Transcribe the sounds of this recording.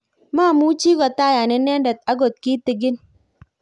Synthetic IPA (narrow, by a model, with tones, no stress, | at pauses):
maː˦˨mu˦t͡ʃiː˦ɡɔ˨ta˦ja˨ne˦ne˦nda˨t̪̚a˦ɡɔ˨t̪̚ki˦t̪i˨ɡɪ˦n